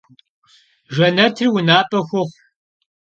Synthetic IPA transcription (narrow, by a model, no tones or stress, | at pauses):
ʒɐnɐtʰriwʊnaːpʼɐxʷʊχʷ